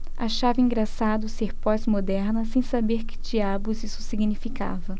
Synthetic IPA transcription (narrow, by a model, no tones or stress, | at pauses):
a̰ʃavɐĩŋɡɾasad̪ʊseɾpɔzmod̪ɛɾnɐsẽj̃sabeɾkɪ̥d͡ʒiabʊzisʊ̥siɡnifika̰vɐ